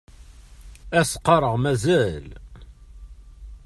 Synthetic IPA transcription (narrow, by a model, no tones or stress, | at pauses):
æsqːɑɾˤəʁmæzæl